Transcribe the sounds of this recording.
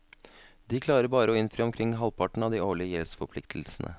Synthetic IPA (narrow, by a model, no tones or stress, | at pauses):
d̪iːkʰlɑːɾəɾbɑːɾəoːɪnfɾiːɔmkʰɾɪŋːɦɑlpʰɑʈɳ̩ɑːd̪iːoːɭɪəjɛlsfɔpʰlɪkt̪ʰl̩snʔə̰